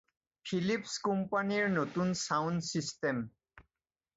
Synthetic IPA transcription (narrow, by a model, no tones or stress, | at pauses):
pʰilipskumpaniɹnotunsawndsistem